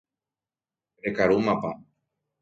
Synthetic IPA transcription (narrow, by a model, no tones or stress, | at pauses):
ekaɾumapa